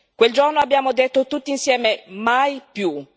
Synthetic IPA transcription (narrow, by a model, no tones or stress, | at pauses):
kweld͡ʒornoabjaːmod̪et̪ːot̪ut̪ːiinsjɛːmemajpju